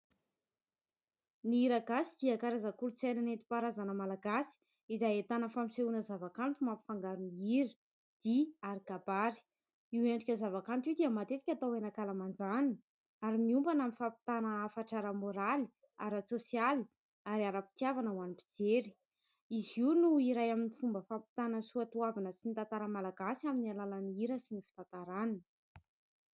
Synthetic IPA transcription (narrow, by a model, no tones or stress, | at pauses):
niiɾaɡasid̪̥iakaɾazakuɾut͡sajnanent̪i̥paɾazanəmalaɡasi̥ | izajet̪anəfamiseunəzavakant̪umampi̥faŋɡaɾuniiɾi̥ | d̪̥iaɾiɡabaɾi̥ | iweɳɖ͡ʐikʲəzavakant̪iwd̪iəmat̪et̪i̥kʲat̪awenakalamand͡zanin | aɾimiumbanamifapi̥t̪anəːfaʈ͡ʂaɾəmoɾali̥ | a̰ɾasosiali̥ | aɾiaɾapi̥t̪iavanəwanipi̥d͡zeɾi̥ | iziunuiɾajaminifumbəfapi̥t̪anəsuat̪uavanəsinit̪ant̪aɾəmalaɡasaminialalaniɾəsinifi̥t̪at̪aɾanə